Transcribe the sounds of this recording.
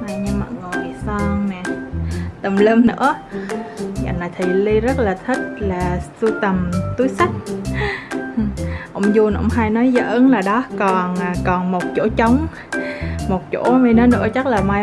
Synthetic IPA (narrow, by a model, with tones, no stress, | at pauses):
naː˨˩ɲɨ˧ŋma̰˨˩ŋo˨˩jsɔ˧ŋnɛ˨˩t̪ə˨˩mleː˧mnɨ̰˧˥ə | ŋa̰˧˨naː˨˩t̪ʰi˨˩li˧zə˦˥t̚laː˨˩t̪ʰi˦˥t̚laː˨˩su˧t̪ə˨˩mt̪u˨˦jsa˦˥t̚ | ʔo̰˧˥wŋ͡mzu˧ənʔo̰˧wŋ͡mɦaː˧jnɔ˨˦jzə̰ː˧˨˦nlaː˨˩ɗɔ˨˦kɔ˨˩na˨˩kɔ˨˩nmo˨˩t̚t͡ɕo̰˧˥t͡ɕə˨˦wŋ͡m | mo˨˩t̚t͡ɕo̰˧˥mi˧nɔ˧˨˦jnɨ̰˧˥ət͡ɕa˦˥t̚laː˨˩maː˧j